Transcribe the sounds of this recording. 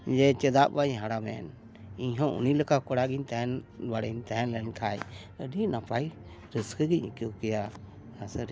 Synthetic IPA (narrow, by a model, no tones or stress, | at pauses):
d͡ʒɛt͡ʃəd̪aʔbaɲɦaɽamɛn | iɲɦɔ̃ʔṵniləkakɔɽaɡint̪ɛɦɛnbaɽənt̪ɛɦɛnlɛnkʰaj | əɖinapaj | ɾəskəɡic̚ikukɛja | asəɾ